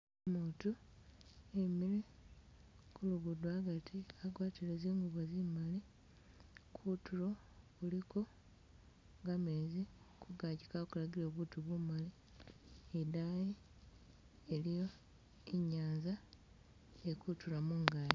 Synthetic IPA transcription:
mutu | emili | kuluɡudwaɡatʰiaɡwaːtiɾeziːŋɡuβozimali | kʰutulo̞ | uliko̞ | ŋɡamezi | kʰuɡaɟikakulaɡiloβutuβumali | edaji | elijo̞ | eɲaːnza | ekutulamuŋɡali

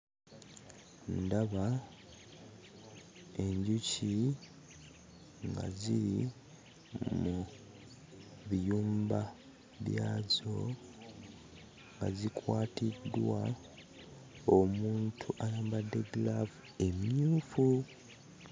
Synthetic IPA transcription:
ndaβa | e̞ɲɟuci | ŋɡa̰ziɾi | mu | βijuːmba | βjaːzo̞ | ŋɡa̰zikʰwaːtidːwa | omuːntʰuʔajaːmbadːe̞ɡlavue̞miɲuːfu

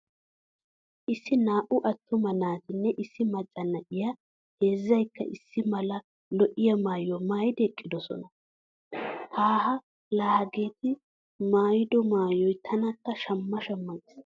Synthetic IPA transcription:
ʔɪsːɪnaːʔʊʔɐt̪ːʊmɐnaːt̪ɪnːɛʔɪsːɪmɐt͡ʃʼːɐnːɐʔɪjɐ | heːzːɐjkːɐ̰ʔɪsːɪmɐlɐ | lɔʔɪjɐmaːjɔmaːjɪd̪ɛkʼːɪd̪ɔsɔ̰nɐ | haːɦɐ | laːhɐɡe̞ːt̪ɪ | maːjɪd̪ɔmaːjɔjt̪ʰɐnɐt̪ːɐʃɐmːɐʃɐmːɐɡɪs

